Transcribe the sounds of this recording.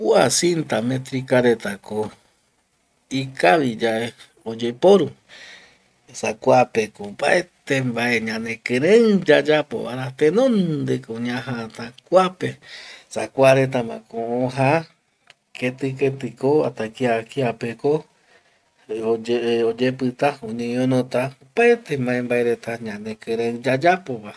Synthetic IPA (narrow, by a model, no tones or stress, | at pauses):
uasint̪amẽt̪ɾikaɾet̪ako | ikaβid͡ʒaʔe | od͡ʒepoɾu | esakʷapekoba̰et̪embaʔeɲãnẽkeɾẽd͡ʒad͡ʒapo̰βa̰ɾat̪enõnd̪ekoɲãɦat̪akʷapesakʷaɾet̪amã̰kõõɦa | ket̪ɨket̪ɨkoat̪akiakiapeko | od͡ʒepɨt̪aõɲẽɲõnõt̪aopaet̪embãembaeɾet̪aɲãnẽkeɾẽɨd͡ʒad͡ʒapoβa